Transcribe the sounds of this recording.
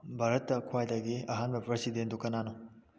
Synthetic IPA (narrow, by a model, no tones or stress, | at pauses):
bʱaɾɐtːɐkʰwajdɐɡiɐɦanbɐpɾesidendukɐnanu